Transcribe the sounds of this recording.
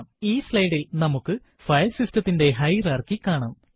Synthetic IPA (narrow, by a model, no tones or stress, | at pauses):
miːslɐjɽilnɐmukːɨ | fɐjlsistɐt̪ːinde̞ɦɐjraːrkikːaːɳaːm